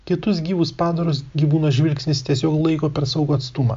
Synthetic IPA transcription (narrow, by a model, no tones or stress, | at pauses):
kʲɪt̪ʊsɡʲiːʋʊspɑːd̪ɐɾʊs̬ɡʲiʋuːnɐʒʲʋʲɪlʲksʲnʲɪst̪ʲiɛsʲoːklˠɐɪkoːpʲɛɾsɐʊɡoːɐt̪st̪ʊmɐ̰ː